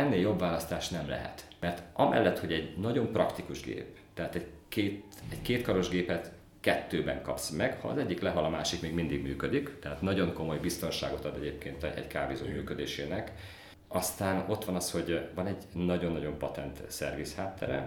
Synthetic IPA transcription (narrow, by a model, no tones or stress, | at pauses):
ɛnːeːjo̞bvaːlɒst̪aːʃnɛmlɛ̰ɦɛ̰t̪mɛrt̪ʔɒmɛ̰lːɛt̪ho̞ɟɛɟnɒɟo̞mprɒkt̪ikuʒɡḛːp | t̪ɛɦaːt̪ɛɟkeːt̪ɛɟkeːt̪kɒɾo̞ʒɡeːpɛt̪ | kɛt̪ːøːbɛŋkɒpsmɛɡhɒ̰ɒ̰zɛɟːiklɛɦɒlɒmaːʃikmeːɡmind̪iɡmyːkød̪ikt̪ɛɦaːt̪nɒɟo̞ŋko̞mo̞jbist̪o̞nʃa̰ːɡo̞t̪ɒd̪ɛɟeːpkeːnt̪ɛ̰ɟkaːvizomyːkø̞d̪eːʃeːnɛk | ɒst̪aːno̞t̪ʋɒnɒsho̞ɟvɒnɛɟnɒɟo̞nːɒɟo̞mpɒt̪ɛnt̪sɛrvishaːt̪ːɛ̰ɾɛ̰